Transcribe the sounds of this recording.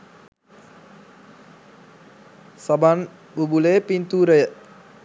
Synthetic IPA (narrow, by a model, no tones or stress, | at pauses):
saban | bubulepint̪uɾəjʔ